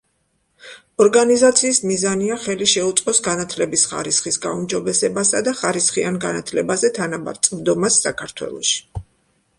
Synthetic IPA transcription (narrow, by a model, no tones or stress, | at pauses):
ɔɾɡanizat̪sʰiːsmizaniaχɛliʃɛut̪sʼqʼɔsɡanat̪ʰlɛbisχa̰ɾisχisɡaumd͡ʒɔbɛsɛbasad̪aχaɾisχianɡanat̪ʰlɛbazɛt̪ʰanaba̰ɾt̪sʼmd̪ɔmasːakʰaɾt̪ʰwɛ̰lˠɔ̰ʃi̥